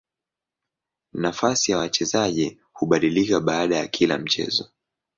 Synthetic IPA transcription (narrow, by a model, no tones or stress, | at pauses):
nafasijawat͡ʃɛzaʄi | huɓaɗilikaɓaːɗajakʰila̰m̩t͡ʃɛ̰zɔ